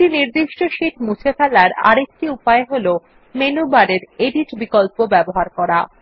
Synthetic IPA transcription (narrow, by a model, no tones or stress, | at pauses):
iniɾd̪iʃʈoʃiʈmut͡ɕʰefɛlaɾa̰ɾek̚ʈiupaeɦolo | menubaɾeɾeɖiʈbikolpobɛboɦaɾkɔɾa